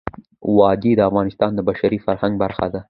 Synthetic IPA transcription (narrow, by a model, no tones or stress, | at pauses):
wɑd̪id̪əafɣɑnɪst̪ɑnd̪əbaʃaɾifaɾhaŋɡ̚baɾxa̰d̪a